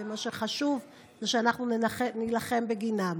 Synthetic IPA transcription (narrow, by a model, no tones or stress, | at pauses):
emaʃeχaʃuv | zeʃeanaχnunaenilaχe̞mbe̞ɡinam